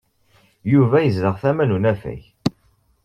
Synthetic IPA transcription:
juvæjəzləʁθæmænunæfæ̰ç

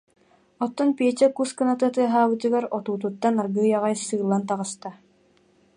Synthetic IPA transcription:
ɔt̪ːɔnpiɛt͡ɕɛkuskanat̪ɯt̪ɯɐɦaːbɯt̪ɯɡaɾɔt̪uːt̪̬ut̪ːanaɾɡɯːjaʁajsɯːlˠːant̪̬aʁɯst̪a

